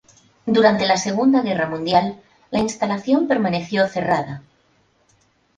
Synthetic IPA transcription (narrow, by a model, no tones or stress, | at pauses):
d̪uɾant̪elase̞ɣ̞und̪aɣ̞eramũnd̪jalː | ainst̪alaθjo̞mpe̞ɾmane̞θjoθe̞rað̞a